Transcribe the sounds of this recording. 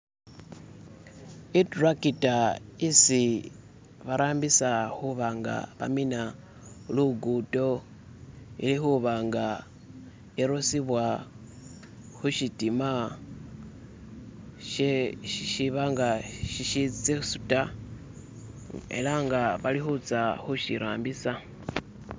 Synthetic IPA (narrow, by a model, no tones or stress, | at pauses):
itrakitaisi | βaɾʔaːmbisaxuβaŋɡa̰βa̰mina | luɡuto̞ | ḭlixuβaːŋɡa | eɾosiβwa | xuʃitima | ʃ | ʃiβaŋɡaʃiʃiit͡seusu̥ta | e̞̰laŋɡaβalixut͡saxuʃḭɾʔa̰ːmbisa